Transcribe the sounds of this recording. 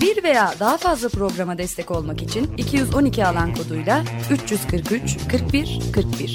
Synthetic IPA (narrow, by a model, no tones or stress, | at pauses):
biɾve̞jaːd̪aɦafazlˠapɾo̞ɡɾamad̪ɛst̪ʰɛco̞lˠmakit͡ʃʰinicʰijyzo̞nicʰialˠankʰo̞d̪ujlˠayt͡ʃjyz̥kʰɯɾkyt͡ʃkʰɯɾk̚biɾ̥kʰɯɾk̚biɾ̥